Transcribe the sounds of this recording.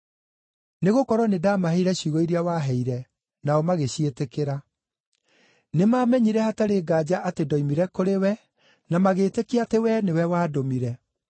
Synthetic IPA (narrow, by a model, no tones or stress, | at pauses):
neɣokɔɾwɔnedaːmaɦeiɾɛɕjuɣɔiɾiawaːɦɛiɾɛ | naɔmaɣeɕietekeɾa | nemaːmɛɲiɾɛhataɾeːɡaːd͡ʑaʔatedɔimiɾɛkoɾewɛ | namaɣeːtekeatewɛnewɛwaːdomiɾɛ